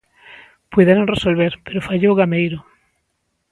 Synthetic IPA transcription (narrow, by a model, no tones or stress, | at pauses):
pwiðeɾõŋresolβ̞eɾpeɾofaʎowɣamejɾo